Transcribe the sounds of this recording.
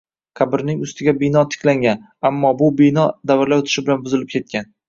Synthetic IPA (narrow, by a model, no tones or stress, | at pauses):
kʰabɪɾnɪŋʊst̪ɪɡʲabɪnɒt̪ʰɪ̥kʲlaŋɡʲan | amːɒbʊbɪnɒd̪avɪɾlaʊt̪ʰɪ̥ʃɪbɪlanbʊzɪlɪp̚kʲʰe̞t̪̚kʲʰan